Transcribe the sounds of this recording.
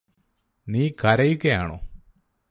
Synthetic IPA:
niːkɐɾɐjukʲːejaːɳo̰ː

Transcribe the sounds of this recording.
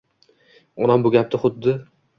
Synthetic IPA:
ɒnambʊɡʲap̚t̪ʰɪχʊd̪ːɪ

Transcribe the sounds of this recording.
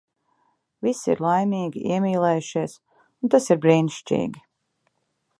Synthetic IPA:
visḭɾlˠajmʲiːɡʲiʔḭɛmʲiːlˠɛːjuʃiɛs | unt̪asiɾbɾiːniʃt͡ʃḭːɡʲi

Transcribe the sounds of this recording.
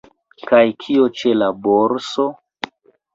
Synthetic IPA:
kajkʰio̞t͡ʃelaboɾso

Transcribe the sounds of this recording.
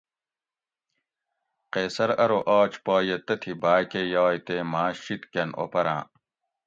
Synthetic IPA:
qeːsɐɾɐɾoʔaːt͡ɕpaːjet̪ɐt̪ʰibaːkejaːjt̪emaːɕit̪kɐnʔo̰pɐɾã̰ː

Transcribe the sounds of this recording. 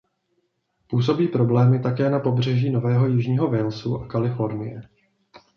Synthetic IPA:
puːs̬o̞biːpɾo̞blɛːmɪt̪akɛːnapo̞br̝ɛʒiːno̞vɛːɦo̞jɪʒɲiːɦo̞vɛlsuʔakalɪfo̞ɾnɪjɛ

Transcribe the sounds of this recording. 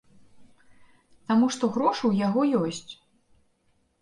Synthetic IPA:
t̪amuʂt̪ɔɣɾɔʂuwjaɣɔjɔsʲt͡sʲ

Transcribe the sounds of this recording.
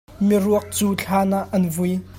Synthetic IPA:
miɾuək̚t͡suːt͡ɬʰaːnaʔːɐnvuj

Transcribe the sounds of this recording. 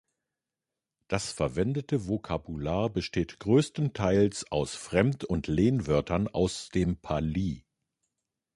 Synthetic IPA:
d̥asfɛɐvɛndətəvokʰabulaːɐbəʃteːtɡ̥ʁøːstn̩tʰaɪlsʔa̰ʊsfʁ̥ɛmtʰʊntʰleːnvœɐtʰɐna̰ʊsd̥eːmpʰaliː

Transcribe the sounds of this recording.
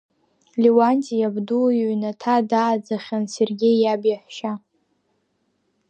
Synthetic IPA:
liwantʼijabdujɥnatʰadaːd͡zaχʲanserɡʲejːabjaħʷʃa

